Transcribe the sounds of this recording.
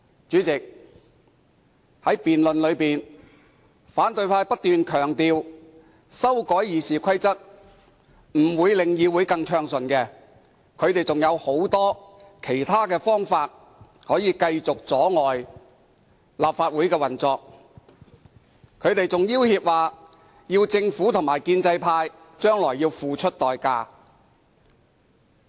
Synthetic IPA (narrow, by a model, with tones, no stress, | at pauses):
t͡ʃyː˨˥t͡sɪ˨k̚ | hɐ˨˥jpiː˨nlɵ˨nlɵ˨˧ɥpiː˨˩n | faː˨˥nt̪ɵ˧ɥpʰaː˧jpɐ˥t̚t̪yː˨nkʰœː˨˩ŋt̪iː˨w | sɐ˥wkɔː˨˥jjiː˨˩siː˨kʰɐ˥jt͡sɐ˥t̚ | m̩˨˩wuː˨˧jlɪ˨ŋjiː˨˧wuː˨˥jkɐ˧ŋt͡ʃʰœː˧ŋsɵ˨˩nkɛː˧ | kʰɵ˨˧ɥt̪e˨jt͡sʊ˨ŋjɐ˨˧who˨˥wt̪ɔː˥kʰe˨˩jt̪ʰaː˥kɛː˧fɔː˥ŋfaː˧t̚ | hɔː˨˥jiː˨˧kɐ˧jt͡sʊ˨k̚t͡sɔː˨˥ŋɔː˨j | laː˨p̚faː˧t̚wuː˨˥jkɛː˧wɐ˨˩nt͡sɔː˨˧k̚ | kʰɵ˨˧ɥt̪e˨jt͡sʊ˨ŋjiː˥whiː˧p̚waː˨ | jiː˧wt͡sɪ˧ŋfuː˨˥t̪ʰʊ˨˩ŋmaː˨˩jkiː˧nt͡sɐ˧jpʰaː˧j | t͡ʃœː˥ŋlɔː˨˩jiː˧wfuː˨˩t͡ʃʰɵ˥t̚t̪ɔː˨jkaː˧